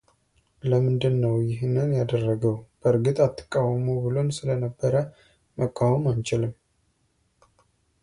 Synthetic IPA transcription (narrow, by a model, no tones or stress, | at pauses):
ləmɨnd̪ɨnːəwjɪɦnɨnjad̪ərːəɡəwb̥əɾɡɨt̪ʼat̪ʰːə̥kʼːawəmubɨlo̞nsɨlənəbːəɾə | məkʼːawəmant͡ʃɪlɨm